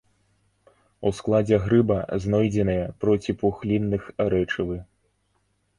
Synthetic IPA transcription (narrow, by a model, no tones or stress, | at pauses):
usklˠad͡zʲɛɣɾɨbɐznɔjd͡zʲɛnɨjɐpɾɔt͡sʲipuxlʲinːɨxɾɛt͡ʂɨvɨ